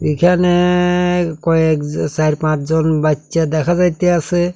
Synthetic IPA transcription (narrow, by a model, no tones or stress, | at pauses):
ikʰane | kɔɛksaɾpãt͡ʃʰzɔnbatːsʃad̪ɛkʰazajt̪ɛase